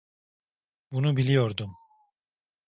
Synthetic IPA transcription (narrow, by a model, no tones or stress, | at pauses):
bunubilʲijo̞ɾd̪um